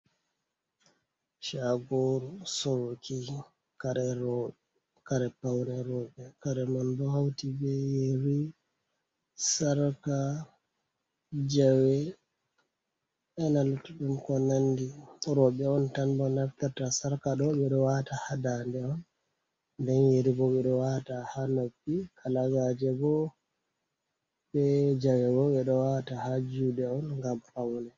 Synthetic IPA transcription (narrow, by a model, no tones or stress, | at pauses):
ʃaɡoɾusoɾki | kaɾɛɾɔɓɛ | kaɾɛpawɾɛɾɔɓɛkaɾɛmanbɔhawtibɛjeɾi | saɾka | d͡ʒawɛ | ʔɛnalutːuɗumkɔnandiɾɔɓɛɔntanbɔnaft̪ɛɾtasaɾkaɗɔɓɛɗɔwatahadandɛɔn | ndɛnjeɾiɡɔɓɛɗɔwatahanafikʰalaɡad͡ʒɛɡɔ | ɓɛd͡ʒawɛɡɔɓɛɗɔwatahad͡ʒudɛɔnŋɡamkawnɛ